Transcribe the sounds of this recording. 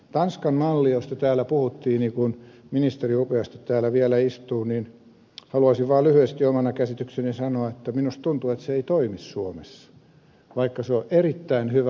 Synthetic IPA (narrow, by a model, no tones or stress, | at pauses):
t̪ɑnskɑnmɑlːiost̪ɑt̪æːlæpuhut̪ːiːnikunminist̪eriupeɑst̪e̥t̪t̪æːlæʋiælæist̪uːnin | hɑluɑsiʋʋɑːlyhyest̪iomɑnɑkæsit̪yksenisɑnoɑet̪ːæminust̪t̪unt̪uet̪seeit̪oimissuomesːɑ̥ | ʋɑikːɑseoʔerit̪ːæinhyʋæ